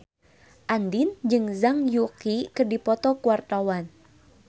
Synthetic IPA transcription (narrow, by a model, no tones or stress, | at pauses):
ʔand̪ind͡ʒɨŋzaŋjukikərdipɔt̪ɔkuwart̪awan